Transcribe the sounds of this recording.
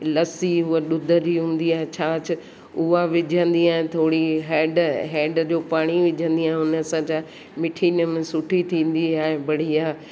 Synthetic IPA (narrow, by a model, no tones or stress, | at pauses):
lɐsiɦuəɗʊd̪ʱəɾiɦũːn̆d̪iaːɦet͡ɕʰaːt͡ɕʰʊ | ʊɦaʋɪd͡ʑʱə̃nd̪iaːɦẽt̪ʰoːɽiɦeːɖɦeːɖd͡ʑoːpaːɽ̃iʋɪd͡ʑʱə̃nd̪iaːɦeʊnə̆sãd͡ʑa | mɪʈʰiːnəmẽsʊʈʰit̪ʰĩːn̆d̪iaːɦebɐɽ̤iaː